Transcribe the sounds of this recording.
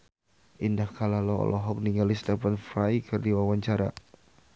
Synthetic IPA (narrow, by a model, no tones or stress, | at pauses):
ʔindahkalalɔɔ̰lʔɔɦɔk̚niŋalist̪ɛpanfrajkʰɨrdiwawaɲt͡ʃaɾa̰